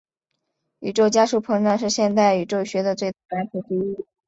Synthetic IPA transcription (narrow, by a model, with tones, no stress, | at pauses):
y˨˩ʈ͡ʂo˥˩ʊt͡ɕja˥ʂu˥˩pʰɤ˧˥ŋʈ͡ʂɑ˥˧ŋʂ̬ɻ̩˥˧ɕjɛ˥˧nt̪a˥˩ɪy˨˩ʈ͡ʂo˥˩ʊɕɥɛ˧˥d̪ə˧t͡swe˥˧ɪt̪a˥˩la˧˥xʰu˨˩ʈ͡ʂi˥i˥˩